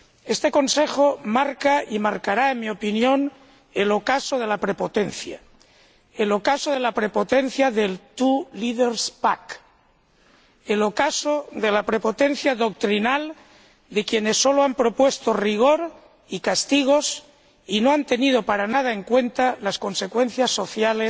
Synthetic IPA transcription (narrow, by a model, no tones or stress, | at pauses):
e̞st̪e̞ko̞nse̞xomaɾkaimaɾkaɾaenmio̞pinjo̞n | e̞lokasoð̞e̞lapɾe̞po̞t̪e̞nθja | elo̞kasoðe̞lapɾe̞po̞t̪en̟θjaðe̞lt̪uliðeɾspak | elokasoðe̞lapɾe̞pot̪e̞n̟θjaðo̞k̚t̪ɾinal | d̪e̞kje̞ne̞sːo̞loampɾo̞pwe̞st̪oriɣ̞o̞ɾ | ikast̪iɣ̞o̞s | inoant̪e̞nið̞o̞paɾanað̞aeŋkwe̞nt̪alasko̞nse̞kwe̞nθjasːo̞θjale